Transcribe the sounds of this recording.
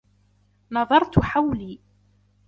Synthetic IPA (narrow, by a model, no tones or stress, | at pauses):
nɑðˤɑɾˤt̪ʊħawli